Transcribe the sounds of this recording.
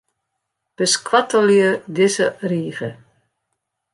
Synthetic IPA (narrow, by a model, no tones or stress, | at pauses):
b̥əskwatəljədɪzəriːɣə